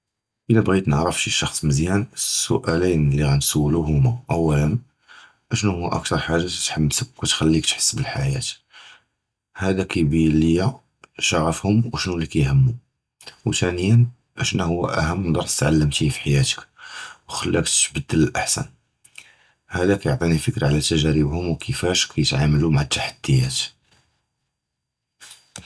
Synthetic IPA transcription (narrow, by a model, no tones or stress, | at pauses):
ʔəlæbɣid̪nəʕɾəfʃiʃɑxsˤməzjænəsːʊ̰ʔælinlːiɣænsuwːluɦʊmaʔəwːælən | ʔəʃnuhʊwːæʔə̰k̚t̪ɑɾˤħaʒːat̪ħəbsəbkut̪xælːikt̪ħə̥sːbəlħajæ̰t̪ | hæd̪ækæbilijːæ | ʃɑʕəfhʊmwʃnulːikæjhəmːu | wt̪ænəjən | ʔəʃnæhʊwːæ̰ʔæhəmːnd̪ɑɾˤt̪ət̪ʕalːəmt̪ifi̥ħajæt̪ə̥kwxəlːək̚t̪bəd̪ːələlʔaħsæ̰n | hæd̪ækæjoʕt̪ˤinifəkɾaʕlæt̪ːæʒæɾəbhʊmwkʰəfæʃkʰæjət̪ʕamlumaʕat̪ːaħad̪̥ːəjːæt̪